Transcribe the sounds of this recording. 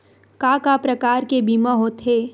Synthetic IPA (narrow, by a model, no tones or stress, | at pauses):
kaːkaːpɾɐkaːɾkebiːmaɦoːt̪ɦeː